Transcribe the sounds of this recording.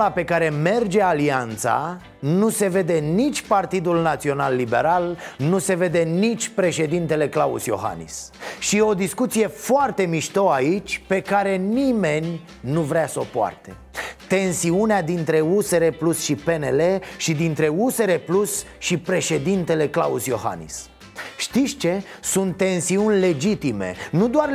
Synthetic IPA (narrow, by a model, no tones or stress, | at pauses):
lape̞kaɾe̞me̞rd͡ʒe̞aliant̪sa̰ | nuse̞ve̞d̪e̞nit͡ʃʲpart̪id̪ulnat̪sio̞nalːibe̞̰ɾalnuse̞ve̞d̪e̞nit͡ʃʲpɾe̞ʃe̞d̪int̪e̞le̞klaṵsjo̞̰ɦa̰nḭsʃieo̞d̪iskut̪sije̞foart̪e̞miʃt̪o̞ait͡ʃʲpe̞kaɾe̞nime̞nʲ | nuvɾeasəopoa̰rt̪e̞ | t̪e̞nsiunead̪int̪ɾe̞useɾeplusʃipe̞ne̞le̞ʃid̪int̪ɾe̞use̞ɾe̞plus | ʃipɾe̞ʃe̞d̪int̪e̞le̞kla̰usjo̞ha̰nḭs | ʃt̪isʲt͡ʃe̞sunt̪ːe̞nsiunʲle̞d͡ʒit̪ime̞̰nud̪oar